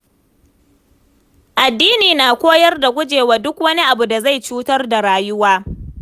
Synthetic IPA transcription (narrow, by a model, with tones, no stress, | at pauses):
ʔa˨dːiː˦niː˨naː˨kʷoː˦jɐ˦rda˨ɡʷʊ˦d͡ʒeː˨waː˨dʊ˦kwɐ˦ni˦ʔa˨bu˨da˨za˦˨jt͡ʃuː˦tɐ˦rda˨ɽaː˦jʊ˦waː˦